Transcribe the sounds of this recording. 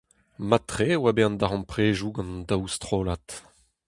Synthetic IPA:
mat̪χewabeɑ̃nd̪aʁɑ̃npχeːʒuɡɑ̃ndawst̪χoːlat̪

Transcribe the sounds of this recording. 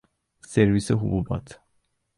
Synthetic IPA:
sɛɾvisɛɦububa̰t̪ʰ

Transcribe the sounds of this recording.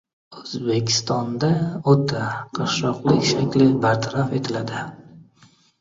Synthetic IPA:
ɵzbe̞kʲɪ̥st̪ɒnd̪aot̪ʰaqʰɨɾʃɒqlˠɪkʲʃakʲlɪbaɾt̪ʰaɾafe̞t̪ʰɪlad̪ɪ

